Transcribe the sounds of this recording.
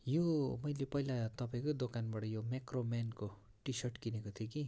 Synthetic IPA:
jomʌjlepʌilat̪ʌpaĩkod̪okanbaʈʌjomakromanko | ʈisʌrʈkinekot̪ʰjoki

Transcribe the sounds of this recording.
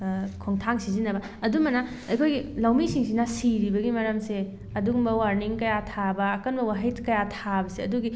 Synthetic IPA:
kʰoŋtʰaŋsizinːɐbɐ | ɐdumɐnɐ | ɐjkʰojɡilawmisiŋsinasiɾibɐɡimɐɾɐmse | ɐduɡumbɐwaɾniŋkɐjatʰabɐːkɐnbɐwaɦit̚kɐjatʰabɐseɐduɡi

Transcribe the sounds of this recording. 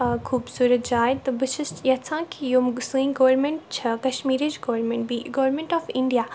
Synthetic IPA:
kʰuːbsuːɾət̪̚d͡ʒaːjt̪ɨbɨʃɨsjɐt͡sʰãːkijomsũĩɡoʋɾmẽɳʈt͡ʃʰɐkɐʃmiːɾid͡ʒɡoʋɾmẽɳʈ̚biɡoʋɾmẽɳʈɔːfiɳɖijaː

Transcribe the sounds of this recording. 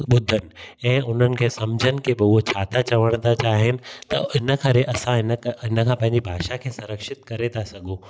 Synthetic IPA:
ɓʊd̪ʱːənɪ̆ɛ̃ːʊn̤ənɪ̆kʰeːsɐmd͡ʑʱənɪ̆kʰebɪot͡ɕʰaːt̪at͡ɕɐʋəɽ̃d̪at͡ɕaːɦɪnɪ̆t̪ɐ̰ɪnəkʰɐɾeʔɐsãɦɪnɪnkʰãːpɐ̃ɦɪ̃ɲd͡ʑibʱaːʃakʰeːsʊ̃ɾəkʃɪt̪kɐɾet̪ʰasɐɠʱoː

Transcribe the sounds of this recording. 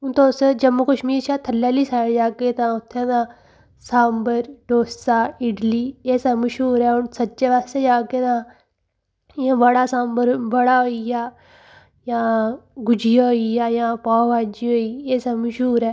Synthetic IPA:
ʊnt̪õsd͡ʒəmːuːkəʃmiːɾt͡ʃʰaːt̪ʰəlːɛːliːsaːɽd͡ʒaːkeːt̪ãːʊt̪ʰːẽːnãː | saːmbəɾɖoːsaːɪɖliːeːsɛ̃ːməʃɦuːɾɛːʊnsət͡ʃeːʋaːst̪eːd͡ʒaːkeːnãː | jãːbəɽaːsãːmbəɾbəɽaːɦoijaː | jãːɡʊd͡ʒɪjaɦoijaːjãːpaːʋaːd͡ʒiːɦoːiːeːsaːməʃɦuːɾɛː

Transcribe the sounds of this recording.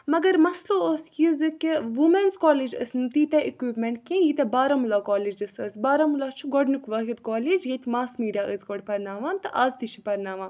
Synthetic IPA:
mɐɡɐɾmɐsloːosjizɨkiʋumenzkoːlid͡ʒɐ̰snt̪iːt̪ɛʔikiːpmeɳʈ̚kẽjit̪ɐbaːɾɐmulaːkoːliːd͡ʒɨsɨsbaːɾɐmulat͡ʃʰuɡɔɖnukʋɐːɦit̪koːlid͡ʒjet̪ʲmaːsmiːɖʲijaːʔəzɡɔɽpɐɾnaːʋaːnt̪ɨʔaːzt̪it͡ʃʰipɐɾnaːʋãː

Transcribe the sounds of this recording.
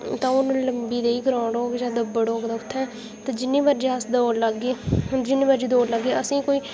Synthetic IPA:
t̪ãːonũːləmbiːd̪eːiːɡəɾãːɳɖoːɡd͡ʒãːd̪əbːəɽoːɡd̪aːʊt̪ʰːɛ̃ː | t̪ãːd͡ʒɪnːĩːbaɾd͡ʒeːəsd̪oːlləɡeːd͡ʒɪnːeːbəːɾd͡ʒiːd̪oːləɡːeːəsĩːkoːiː

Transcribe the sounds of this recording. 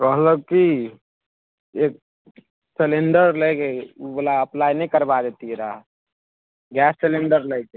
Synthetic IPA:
ɾəɦləɡ̚ki | ek̚ | seleɳɖəɾləjkeubolaəplajnəikəɾbad̪et̪iɾaɦ | ɡɛsːeleɳɖəɾləjke

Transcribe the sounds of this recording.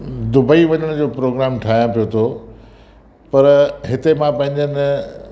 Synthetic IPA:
d̪ʊbəiʋɐɲəɽ̃d͡ʑoːpɾoːɡɾaːmʈʰaːɦjãpijot̪ʰo | pɐɾɦɪt̪emãpɐ̃ɦɪ̃ɲd͡ʑənɪ

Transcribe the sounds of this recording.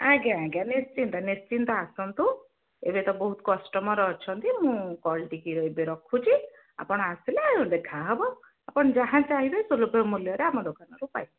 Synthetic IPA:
aɡaaɡanest͡ʃint̪ɔnest͡ʃint̪ɔasɔnt̪u | ḛbet̪ɔbɔɦut̪kɔsʈɔmɔɾɔːt͡ʃʰɔnt̪imũkɔlʈikiɾɔjbeɾɔkʰut͡ʃʰi | a̰pɔɽ̃ɔasilaud̪ekʰaɦɔbɔ | apɔɳɔd͡ʒaɦãt͡ʃaɦibɔjsulupemuljɔɾeamɔd̪okanɔɾupa̰jb

